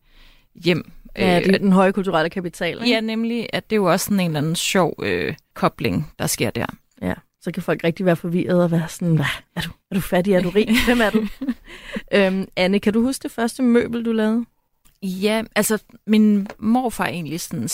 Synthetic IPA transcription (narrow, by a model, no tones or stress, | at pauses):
jem̰ | d̥enɦɒ̽ɪəkʰult͡sʰuʁɑ̈ləkʰæpit͡sʰɛ̰ːljænemliʔæd̥e̝joɒ̽sːɒne̝ːnlænn̩sɕɒʊ̰økʰɒ̽b̥le̝ŋd̥ɑ̈sɡ̥e̝ɐ̰d̥æ̰ɐ̰ | jæ | sɒ̽kʰæfɒ̽l̰ɡ̥ʁeɡ̥̚d̥iʋæːɐfɒ̽ʋiɐð̞̩ˠɒʋæːɐsɔnʋææɐd̥uæɐɾ̥ufædiæɐɾ̥uʁḭːʋemæɐd̥u | ʔømænəkʰæduhusɡ̥d̥e̝fɶɐsd̥əmø̰ːb̥l̩d̥ulɛːʊð̩ˠ | jæʔælsɐminmɒ̰ːfɑ̰̈ːʔe̝ːnlisɒn